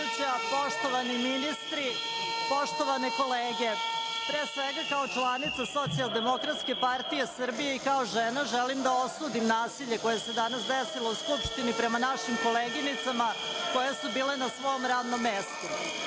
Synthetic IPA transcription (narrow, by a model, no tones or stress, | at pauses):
t͡ɕapoʂt̪oʋaniminist̪ɾi | po̞ʂt̪oʋaneko̞leːɡe̞ | pɾeːsʋeɡakao̞t͡ʃlˠanit̪saso̞t̪sialˠd̪e̞mo̞kɾat̪ske̞paɾt̪ije̞sr̩bije̞ikao̞ʒenaʒelimd̪ao̞suːd̪imnaːsiʎe̞ko̞jese̞d̪anasd̪esilouskupʂt̪inipɾe̞manaʃimko̞leɡinit̪samako̞jesubiːlenasʋo̞jomɾaːd̪nomːest̪u